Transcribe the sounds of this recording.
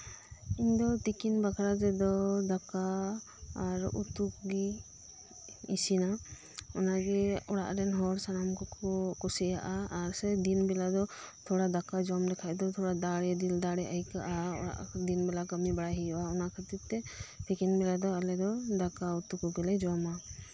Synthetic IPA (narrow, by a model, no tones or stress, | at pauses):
iɲd̪ɔt̪ikinbakʰaɾad͡ʒ̪ɛd̪ɔd̪akaː | ɾṵt̪ukɡi | isina | ɔnaɡɛɔɽa̰ʔɾɛnɦɔɽsanamkɔkɔsɛjaʔaːɾsɛd̪inbɛlad̪ɔt̪ʰɔɽad̪akad͡ʒɔmd̪ɛkʰaʔd̪ɔt̪ʰɔɽad̪aɽɛd̪ild̪aɽɛʔajkaʔaɔ̰ɽa̰ʔd̪inbɛlakəmibaɽaɦijɔʔaɔnakʰat̪it̪ɛpʰikinbɛlad̪ɔalɛd̪ɔd̪akaut̪ukɔɡɛlɛd͡ʒɔma